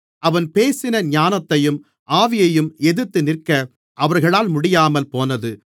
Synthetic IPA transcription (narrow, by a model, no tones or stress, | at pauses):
ʔɐʋɐnpeːsɪnɐɲaːnɐt̪ːɐjɯm | ʔaːʋɪjɐjɯmɛðɯt̪ːɯnɪrkɐ | ʔɐʋɐɾɣɐɭaːlmʊɽɪjaːmɐlpoːnɐðɯ